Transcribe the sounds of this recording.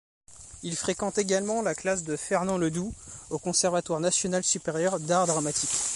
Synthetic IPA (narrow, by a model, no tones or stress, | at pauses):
ilfχekɑ̃t̪eɡalmɑ̃laklas̬d̪əfɛʁnɑ̃ləd̪uokɔ̃sɛʁvat̪waʁnasjɔnalsypeʁjœʁd̪aʁd̪ʁamat̪ʰikʲ